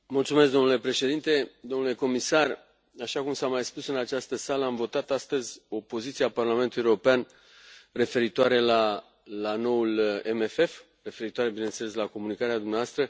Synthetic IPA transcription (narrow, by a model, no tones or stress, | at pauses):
mult̪sumes̬d̪o̞mnule̞pɾe̞ʃe̞d̪int̪e̞d̪o̞mnule̞ko̞misar | aʃakumsamajspusɨnat͡ʃast̪əsaləamvo̞t̪at̪ast̪əzʲo̞po̞zit̪siaparlame̞nt̪uljerɾo̞pean | re̞fe̞ɾit̪oaɾe̞la | lano̞ulemefe̞f | re̞fe̞ɾit̪oaɾe̞bine̞nt̪sele̞s̬lako̞munikaɾead̪umneavast̪ɾə